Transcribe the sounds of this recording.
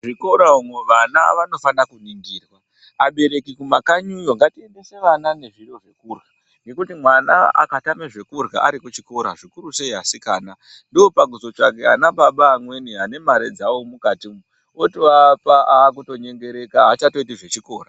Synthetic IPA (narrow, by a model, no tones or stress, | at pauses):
ʐiko̞ɾaumwe̞ʋana̰ʋano̞fanakuniŋɡiːrwaː | ɓe̞ɾe̞kikumakaɲujo̞ŋɡatie̞nde̞se̞ʋanane̞ʐiɾo̞ʐe̞kurɣa | ŋɡe̞kutimwana̰a̰katameʐe̞kurɣa̰ʔaɾikut͡ʃiko̞ɾaʐikuɾuse̞iɦasikaːna | ndio̞paɡuzo̞t͡ʃakea̰naɓaɓaːmwe̞niɦane̞maɾe̞d͡zawomukatimu | otiapaaːk̬uto̞ɲe̞ŋɡe̞ɾe̞kaɦat͡ʃato̞itiʐe̞t͡ʃiko̞ːra